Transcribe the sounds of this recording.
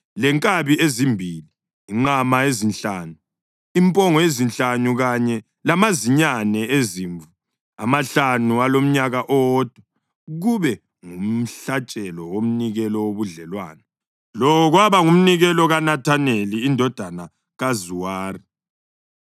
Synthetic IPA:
lɛŋkʼaβiezimbʱiliː | ŋ͡ǃamaezinɬaːnu | impʼɔŋɔezint͡ɬanuɣaɲɛ | lamaziɲanɛeziːɱvu | amaɬanualom̩ɲaɣaʔɔd̥ʱɛ | ɣuβɛ | ŋum̩ɬat͡ʃʼɛlɔwom̩niɣɛlɔwoβuɮɛlwa̰ːnɛ | lɔɔɣwaβaŋum̩niɣɛlɔɣanatʰaneliːndʱɔd̥ʱana | ɣazuwaːri

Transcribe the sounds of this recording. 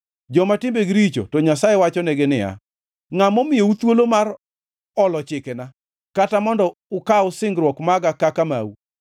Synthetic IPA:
d͡ʒɔmatɪmbeɡɾit͡ʃo̰tɔɲasajɛwat͡ʃɔnɛɡɪnɪja̰ | ŋamɔmɪjeut̪wolomar | ɔlɔt͡ʃɪkena | katamɔndɔʊkaʊsɪŋɡɾwɔkmaɡakakama̰u

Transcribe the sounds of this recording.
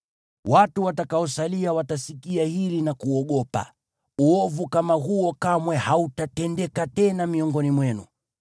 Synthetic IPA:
watuwatakaɔsaliawatasikiahilinakuɔɠɔpa̰ | uɔvukamaɦuɔkamwɛhautatɛndɛkatɛnamiɔŋɡɔnimwɛnṵ

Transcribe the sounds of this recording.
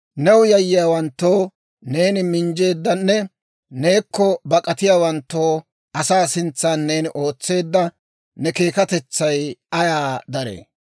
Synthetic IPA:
nɛwʊjɐjːɪjaːwɐnt̪ːo̞ː | ne̞ːnɪmɪnd͡ʒe̞ːd̪ːɐnːɛ | ne̞ːkːɔbɐkʼɐt̪ɪjaːwɐnt̪ːoː | ʔɐsaːsɪnt͡sːaːnːe̞ːnɪʔo̞ːt͡sːe̞ːd̪ːɐ | nɛke̞ːkɐt̪ɛt͡sːɐjʔɐjaːd̪ɐɾḛː

